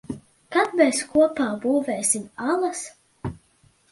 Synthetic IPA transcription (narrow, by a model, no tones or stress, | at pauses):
kad̪meːskuɔpaːbuːveːsʲimalˠɐs